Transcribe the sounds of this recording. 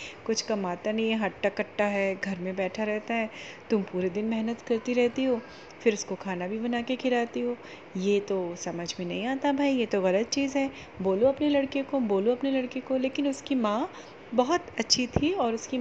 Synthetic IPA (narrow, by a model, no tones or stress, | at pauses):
kʊt͡ʃʰkɐmaːt̪anɐɦĩɦɐʈːakɐʈːaɦɛːɡʱɐɾmẽbɛːʈʰaɾɛɦt̪aɦɛː | t̪ʊmpuːɾed̪ɪnmɛɦnət̪kɐɾt̪iɾɛɦt̪iɦoː | fɪɾʊskokʰaːnabʱibɐnaːkekʰɪlaːt̪iɦoː | jet̪osɐməd͡ʒʱmẽnɐ̰ɦĩaːt̪abʱaːijet̪oɣɐlət̪̚t͡ʃiːzɦɛː | boːlõɐpnelɐɽkekoboːloɐpnelɐɽkekoleːkɪnʊskimãː | bɐɦʊt̪ɐtːʃʰit̪ʰiɔːɾʊski